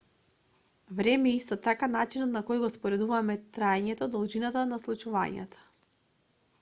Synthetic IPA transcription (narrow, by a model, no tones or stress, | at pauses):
vɾɛmɛist̪ɔt̪akanat͡ʃinɔt̪nakɔjɡɔspɔɾɛd̪uvamɛt̪ɾaɛɲɛt̪ɔd̪ɔlˠʒinat̪anaslˠut͡ʃuva̰ɲa̰t̪ḁ